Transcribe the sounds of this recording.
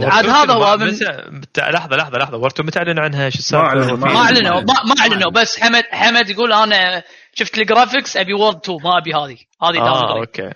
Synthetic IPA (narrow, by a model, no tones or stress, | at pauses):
ʕaːd̪haːðahʊwːamɪn | t̪lɑħðˤɑlɑħðˤɑlɑħðˤɑwɑɾˤt̪umʊt̪ʕalːɪnʕanɦaʃɪsafmaʔaʕlɪnamamaʔaʕlɪnubasːħamad̪ħamad̪jɡuːlʔaːna | ʃɪft̪ɪlɡɾaːfɪksʔabiwɑɾˤd̪̚t̪ʰumaʔabihaːði | haːðiamiokḛː